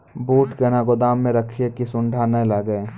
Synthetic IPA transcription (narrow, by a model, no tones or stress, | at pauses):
buːʈkenaɡʊd̪aːmːẽɾəkʰiekisʊ̃ɳɖʱanɐĩlaɡəe